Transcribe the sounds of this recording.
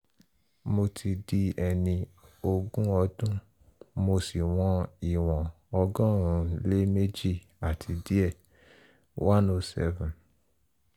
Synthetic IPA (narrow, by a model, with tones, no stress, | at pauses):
mo˧tʰi˧di˧ɛ˧nĩ˧o˧ɡũ˦ɔ˧dũ˦ | mo˧si˨w̃ɔ̃˧i˨w̃ɔ̃˨ | ɔ˧ɡɔ̃˦ɾ̃ũ˨˦le˦me˦d͡ʒi˦˨ | a˨tʰi˧di˦ɛ˦˨ | wã˦no˧sɛ̰˦vũ˨n